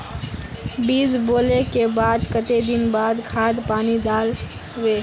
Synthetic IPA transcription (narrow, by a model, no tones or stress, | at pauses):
biːzboːlekebaːd̪kət̪ed̪ɪnbaːd̪kʰaːd̪paːnid̪aːl | weː